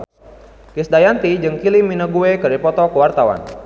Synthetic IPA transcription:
kisdajant̪id͡ʒəŋkiliminəɡuekəɾipɔt̪ɔkəwart̪awa̰n

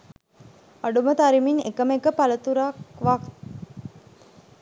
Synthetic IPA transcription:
aɖumət̪aɾiminḛkəmekəpalət̪uɾakʋak

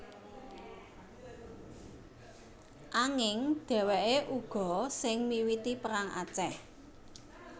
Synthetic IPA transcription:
ʔaŋɪŋɖ̪̥ɛ̤wɛʔeʔuɡ̥ɔ̤sɪŋmiwit̪ipəɾaŋʔa̰t͡ʃɛh

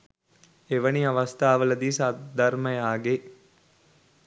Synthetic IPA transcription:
eʋəniaʋɐst̪aːʋəlɐd̪iːsad̪ɐrməjaːɡe

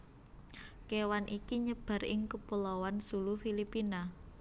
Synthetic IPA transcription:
kewanʔikiɲəb̥a̤ɾɪŋkəpulawansulufilipina

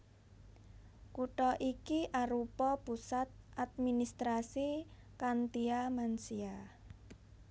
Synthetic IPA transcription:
kuʈɔʔikiʔaɾupɔpusat̪̚ʔat̪̚minist̪ɾasi | kant̪iamansia

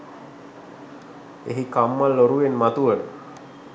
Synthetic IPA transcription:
ḛɦikamːalːoɾuʋenmat̪uʋənə

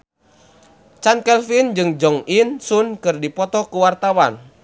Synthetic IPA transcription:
t͡ʃankɛlfind͡ʒɨŋd͡ʒɔŋinsunkɨrdipɔt̪ɔkuwart̪awan

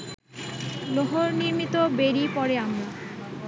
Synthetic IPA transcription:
loɦoɾniɾmit̪obeɾipɔɾeamɾa

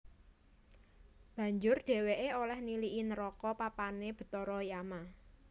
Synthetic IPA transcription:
b̥ä̤ɲd͡ʒʊrɖ̥e̤weʔeolɛhniliʔinəɾɔkɔpapaneb̥ə̤t̪ɔɾɔjama

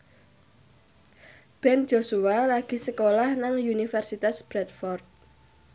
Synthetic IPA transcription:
b̥ɛnd͡ʒ̥osuwalaɡ̥i̤səkolahnaŋjunifɛrsit̪asb̥ɾɛt̪̚fɔrt̪̚

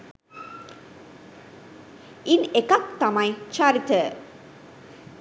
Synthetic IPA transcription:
inekak̚t̪amajt͡ʃaɾit̪ə

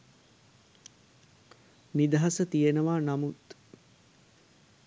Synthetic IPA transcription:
nid̪ɐɦɐsət̪ijenəʋaːnɐmut̪

